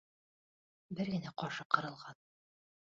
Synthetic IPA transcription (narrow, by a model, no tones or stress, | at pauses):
bɘɾɡɘ̆næqɒɾʃɤqɤ̆ɾɤ̆lˠʁɑn